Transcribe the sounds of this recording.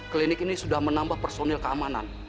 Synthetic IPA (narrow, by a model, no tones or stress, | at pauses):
klinɪkinisudahmənambahpərsonɛlkəamana̰n